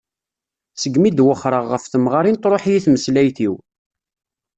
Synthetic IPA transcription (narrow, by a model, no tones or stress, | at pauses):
səɡmid̪wəχɾˤəʁːəfθəmʁaɾint̪ɾˤoħjiθməslæjθiw